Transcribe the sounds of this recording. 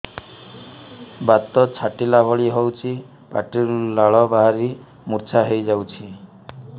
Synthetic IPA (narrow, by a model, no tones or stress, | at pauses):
bat̪ɔt͡ʃʰaʈilabʱɔɭiɦɔwt͡ʃʰi | pa̰ʈiɾlaɭɔbaɦaɾi | muɾt͡ʃʰaɦejd͡ʒawt͡ʃʰi